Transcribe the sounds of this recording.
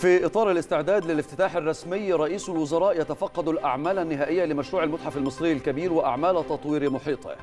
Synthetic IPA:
fiʔɨt̪ˤɑːɾˤalɪst̪ɪʕd̪aːd̪lɪlɪft̪ɪt̪aːħarˤːɑsmɪjːɾˤɑʔiːsʊlwʊzɑɾˤɑːʔjat̪afɑqːɑd̪ʊlʔaʕmaːlanːɪɦæːʔɪjːalɪmæʃɾuːʕalmʊt̪ħafalmɨsˤɾɪjːɪlkabiːɾwɪʔa̰ʕmaːlt̪ɑt̪ˤwiːɾɪmʊħiːt̪ˤɨ̰

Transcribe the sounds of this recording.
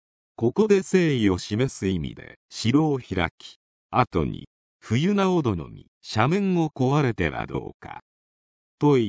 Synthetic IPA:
ko̞ko̞d̪e̞se̞ːio̞ɕime̞sɨimʲḭd̪e̞̰ɕiɾo̞ːçiɾa̰kʲi̥ | at̪o̞̰ɲ̟ḭ | ɸɯ̟jɯ̟naod̪o̞no̞̰mʲi | ɕamẽ̞ŋo̞ko̞βaɾe̞t̪e̞βa̰d̪o̞̰ːka̰ | t̪o̞i

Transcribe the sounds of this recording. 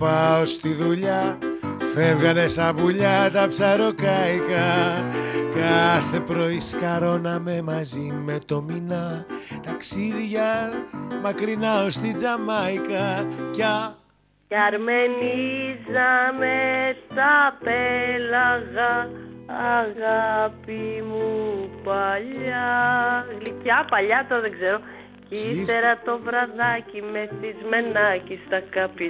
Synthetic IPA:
pɐost̪iðuʎɐ | fe̞vɣɐne̞sɐvuʎɐt̪ɐpsɐɾokɐjkɐ | kɐθe̞pɾo̞iskɐɾo̞nɐme̞mɐzime̞t̪o̞minɐt̪ɐksiðʝɐ | mɐkɾinɐost̪id͡zɐmɐjkɐcɐ | cɐɾme̞nizɐmet̪ɐpelɐɣɐː | ɣapimupɐʎɐ | ɣlicɐpɐʎɐt̪oðeɡze̞ɾo̞ | cise̞ɾɐt̪o̞vɾɐðɐcimeθizme̞nɐcist̪ɐkɐpi

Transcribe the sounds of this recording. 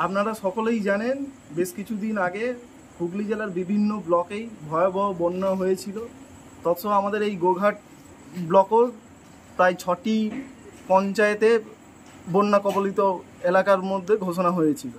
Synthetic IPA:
apnaɾaʃɔkolejd͡ʑanen | beʃkit͡ɕʰud̪inaɡe | ɡuɡlid͡ʑelaɾbibʱinːoblɔkejbʱɔeobʱɔobonːaɦojet͡ɕʰilo | t̪ɔt͡ɕʰoamad̪eɾejɡoɡʱaʈ̚ | blɔko | t̪ajt͡ɕʰɔʈipɔnt͡ɕaet̪e | bonːakɔbolit̪o | elakaɾmod̪ʱːeɡʱoʃ̬onaɦojet͡ɕʰilo

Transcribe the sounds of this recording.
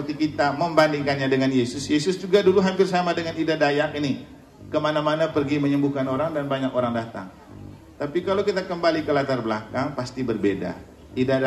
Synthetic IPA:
ət̪ikit̪aməmbandiŋkanɲadəŋanjesʊsjesʊsd͡ʒuɡaduluɦampɪrs̬amadəŋanidadajakini | kəmanamanapərɡiməɲəmbukanoɾaŋdanbaɲakoɾaŋdat̪a̰ŋ | t̪apikalawkit̪akəmbalikəlat̪arbəlakaŋpast̪ibərbeda̰ | ida

